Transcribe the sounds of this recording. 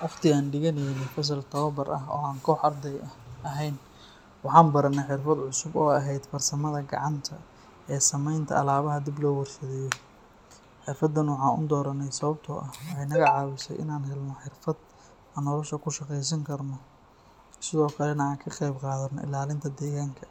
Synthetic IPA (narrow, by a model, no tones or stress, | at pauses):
wɑqt̪ʰɪaːnɖɪɣɐnɛjnɛfɐs̬ɐlt̪ʰɐβɐbɐɾɐ̰ɦɔ̰ːaːŋkʰɔːħɐrd̪ɛjɐʔɐɦɛjn | wɑħɑːnbɐɾɐnːɛħɪrfɐd̪ʕʊsʊbɔːɐɦɛjd̪fɐrsɐmɐðɐɡɑ̰ʕɑnt̪ʰɐ | ɛːsɐmɛjnt̪ʰɐ̰ɐlaːβɐɦɐd̪iblɔːwɐrsɐðɛjɔ | ħɪrfɐd̪ɐnwɑħɑːnʊ̰d̪ɔːɾɐnɛjsɐβɐb̚t̪ʰɔʔɐhwħɛjnɐɣɐʕɑːwɪsɛ̰jʔɪ̰naːnɦɛlnɔħɪrfɐd̪̥ | ɐnɔlɔʃɐkʰʊʃɑqɛjs̬ɐŋkʰɐrnɔ | sɪðɔːkʰɐlɛnɐaːŋkʰɐqɛjbqɑːðɐnːɔ̰ʔɪ̰laːlɪnt̪ʰɐd̪ɛːɣaːŋkʰɐ̥